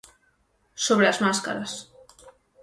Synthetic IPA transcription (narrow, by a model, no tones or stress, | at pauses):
soβɾelazmaska̰ɾas